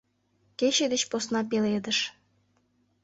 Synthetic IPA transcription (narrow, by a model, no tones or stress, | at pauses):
keɕed̪ĕt͡ɕposnɑpeled̪əʃ